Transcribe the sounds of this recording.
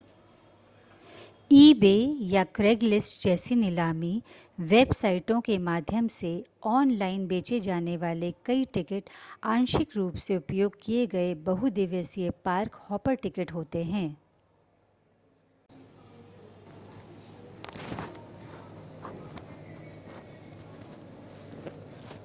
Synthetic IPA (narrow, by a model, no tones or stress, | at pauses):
iːbeːjakɾeːɡlɪsʈd͡ʒɛːsinɪlaːmi | ʋeːbsaːɪʈõkemaːd̪ʱjəmseɔːnlaːɪnbeːt͡ʃed͡ʒaːneʋaːlekɐiʈɪkɪʈaːnʃɪkɾuːpseʊpjoːɡ̚kieɡɐebɐɦud̪ɪʋəsiepaːɾkhɔːpəɾʈɪkɪʈɦoːt̪eɦɛ̃ː